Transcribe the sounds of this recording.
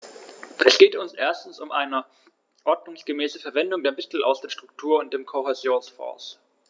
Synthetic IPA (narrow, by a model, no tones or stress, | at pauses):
ʔɛsɡ̥eːtʊnsʔḛːɐstn̩sʊmʔaɪnə | ʔɔɐdnʊŋsɡ̥əmɛːsəfɛɐvɛndʊŋdeːɐmɪtʰl̩a̰ʊsd̥eːɐʃtʁ̥ʊk̚tʰuːɐʊnt̚d̥eːmkʰohɛzjoːnsfɔ̰ːs